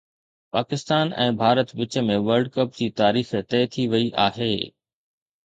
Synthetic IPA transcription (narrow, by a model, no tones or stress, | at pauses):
paːkɪst̪aːnɛ̰̃ːbʱaːɾət̪ʋɪt͡ɕə̆mẽʋəɾɖ̚kɐp̚d͡ʑiːt̪aːɾiːxt̪ɛːt̪ʰiʋɐiʔa̰ːɦeː